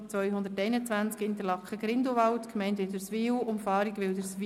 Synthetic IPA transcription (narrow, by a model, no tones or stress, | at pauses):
t͡sʋœʏɦʊnd̪ətɛɪnət͡sʋænt͡skɪnt̪əlɑkχəɡɾɪndoʋɑltkmɛɪntʋɪdəsʋiːwʊmfɑːɾiɡʋɪldəsʋ